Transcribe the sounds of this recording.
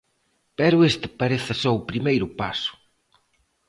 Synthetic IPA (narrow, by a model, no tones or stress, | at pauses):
pɛɾʊest̪ɪ̥paɾeθɐsɔʊpɾimejɾʊpa̰sʊ̥